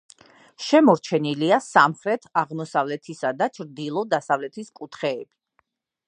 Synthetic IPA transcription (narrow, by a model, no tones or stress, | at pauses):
ʃɛmɔɾt͡ʃʰɛniliasamχɾɛt̪ʰaʁmɔsavlɛt̪ʰisad̪at͡ʃʰɾd̪ilˠɔd̪asavlɛt̪ʰiskʼut̪ʰχɛːb̥i